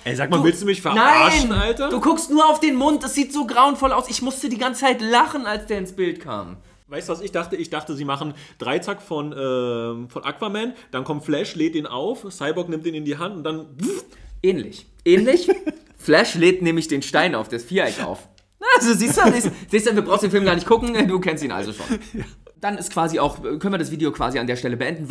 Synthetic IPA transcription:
ʔɛzaːkmavɪlstd̥uːmɪçfɛɐnaɪaʃnn̩ʔaltɐduːkʰʊkstnuːɐaʊfd̥eːnmʊnt̚d̥asz̥iːtz̥oːɡʁaʊənfɔlaʊsɪçmʊstədiːɡant͡sət͡sʰaɪtlaχn̩alsd̥eːɐɪnsb̥ɪltkʰa̰ːm | vaɪstuvasɪçd̥aχtəɪçd̥aχtəziːmaχn̩d̥ʁaɪt͡sakfɔnʔɛːfɔnʔa̰kv̥amɛnd̥ankʰɔmtflɛʃleːt̚iːnʔa̰ʊfsaɪbɔknɪmtd̥iːnɪndiːɦantʊnt̚d̥an | ʔɛːnlɪ̰ç | ʔɛːnlɪç | flɛʃleːtnɛːmlɪçd̥eːnʃtaɪna̰ʊfd̥esfiːɐʔɛkʔa̰ʊf | nazoziːstuziːstz̥iːstdɛnduːbʁaʊsnd̥eːnfɪlmɡaːɐnɪçtkʰʊkŋ̩ɛduːkʰɛnstiːnʔa̰lzoʃo̰ːnjad̥anɪstkv̥aːziaʊxkʰœnviɐdasviːdjokv̥a̰ːziandeːɐʃtɛləbəʔɛndn̩

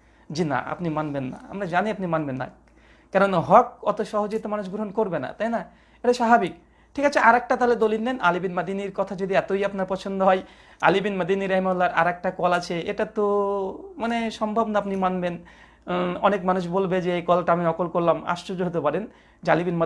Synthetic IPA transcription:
d͡ʑina̰a̰pnimanbenːa̰a̰mɾad͡ʑaniapnimanbenːa̰ | kɛɾonaɦɔk̚ɔt̪oʃɔɦod͡ʑoɡit̪omanuʃɡɾoɦonkoɾbena̰t̪ajna | eʈaʃababik | ʈʰikat͡ɕʰeʔaɾɛk̚ʈat̪aled̪oliʈnenʔalibinməd̪iniɾkɔt̪ʰad͡ʑod̪iɛt̪ojapnaɾpɔt͡ɕʰond̪oɦɔj | a̰libinməd̪iniɾaɦimalːaɾa̰ɾɛk̚ʈakɔlat͡ɕʰeeʈat̪omaneʃɔmbʱobnaapnimanben | ɔnekmanuʃbolbed͡ʑeejkɔlʈaamiɔkolkoɾlama̰ʃod͡ʑoɦot̪̬epaɾen | d͡ʑalibinmə

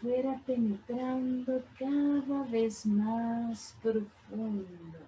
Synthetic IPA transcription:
fweɾapenet̪ɾãnd̪okaðavezmaspɾofũnnd̪o

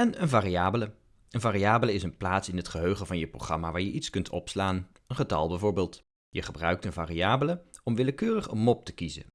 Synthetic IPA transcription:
ɛnənvaːriaːbələ | ənvaːriaːbələɪsənplaːtsɪnɦətχəɦøɥχənvɑnjəpro̰χrɑmaːʋaːɹjəʔitskɵntʰɔ̰pslaːn | ənχətɑ̰lˠbɛjvʊːɹbɪːlˠt | jəχəbrœɥk̚tənvaːriaːbələɔmʋɪləkøːrəχənmɔp̚tə̥kizə̰

